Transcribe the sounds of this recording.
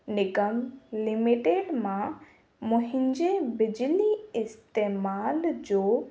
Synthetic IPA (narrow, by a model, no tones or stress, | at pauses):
nɪkəmlɪmiʈeːɖmã | mʊ̃ɦɪ̃ɲd͡ʑebɪd͡ʑliɪst̪emaːld͡ʑoː